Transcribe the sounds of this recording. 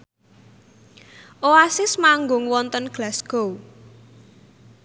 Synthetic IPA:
ʔoasɪsmaŋɡʊŋwɔnt̪ənɡ̥lasɡ̥ow

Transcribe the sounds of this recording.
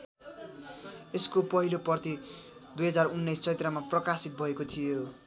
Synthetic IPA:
eskopʌɦilopʌrt̪i | d̪ujɦʌd͡zarunːʌjst͡sʰʌt̪ramaprʌkasit̪̚bʱʌekot̪ʰijo

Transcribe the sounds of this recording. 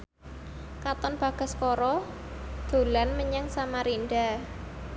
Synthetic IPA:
kat̪ɔnb̥ä̤ɡ̥a̤skɔɾɔ | d̪̥o̤lanməɲaŋsamaɾinɖa

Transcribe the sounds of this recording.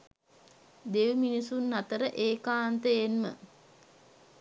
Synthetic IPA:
d̪eʋminisunːat̪əɾəʔeːkaːnt̪əjenmə̰

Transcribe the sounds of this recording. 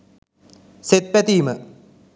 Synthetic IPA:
set̪̚pɛt̪iːmə

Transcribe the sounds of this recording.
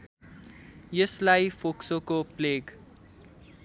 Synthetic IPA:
jəslajfoksokopleːɡ

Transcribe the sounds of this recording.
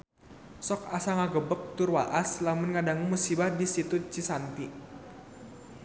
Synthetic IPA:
sɔkasaŋaɡəbək̚t̪urwaʔaslamʊnŋadaŋumusibahdisit̪ut͡ʃisant̪i

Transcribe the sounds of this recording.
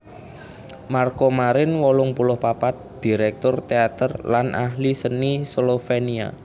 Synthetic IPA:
markomaɾɪnwɔlʊŋpulʊhpapat̪̚d̪̥i̤ɾɛk̚t̪ʊrt̪eat̪ərlanʔaɦlisənisolofenia̰

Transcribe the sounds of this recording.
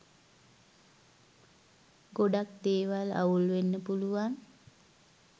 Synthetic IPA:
ɡoɖakd̪eːʋala̰ulʋenːəpuluʋan

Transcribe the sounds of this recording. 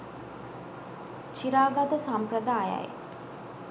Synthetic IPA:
t͡ʃiɾaːɡad̪əsamprəd̪aːja̰j

